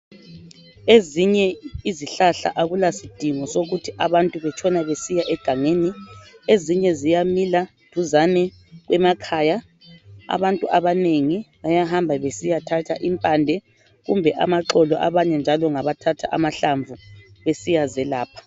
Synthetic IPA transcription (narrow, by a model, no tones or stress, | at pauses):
eziɲɛiziɬaɬa̰ʔaɣulasid̥ʱiŋɔsoɣutʰiʔaβantʼuβɛt͡ʃʰɔnaβesijaʔɛɡ̥ʱaŋeːni | eziɲɛzijamila | d̥ʱuzanɛ | ɣwɛmakʰaːja | a̰βantʼuʔaβaneŋiβajaɦambʱaβesijatʰatʰa̰ʔimpʼaːndʱɛ | ɣṵmbʱɛʔa̰maǁɔlɔʔaβaɲɛnd͡ʒʱalɔŋaβatʰatʰa̰ʔamaɬaɱvuβesijazɛlaːpʰḁ